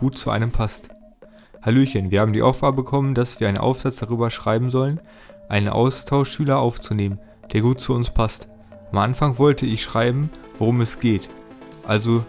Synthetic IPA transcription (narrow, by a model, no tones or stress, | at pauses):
uːtt͡suʔa̰ɪnəmpʰast | haloːçənviːɐhaːbm̩diːʔa̰ʊfɡ̥aɐbəbəkʰɔmənd̥asv̥iːɐaɪnə̰nʔa̰ʊfz̥at͡sd̥aʁyːbɐʃʁ̥aɪbm̩zɔlən | ʔaɪnənʔa̰ʊstʰaʊʃʃyːlɐʔaʊft͡suneːmən | d̥eːɐɡuːt̚t͡suʊnspʰast | ʔamʔanfaŋvɔltʰəɪçʃʁ̥aɪbm̩voʁʊmɛsɡ̥eːt | ʔalzo